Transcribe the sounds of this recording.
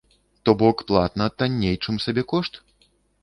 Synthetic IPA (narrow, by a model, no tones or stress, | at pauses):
t̪ɔbɔkplˠat̪nɐt̪anʲːejt͡ʂɨmsabʲɛkɔʂt̪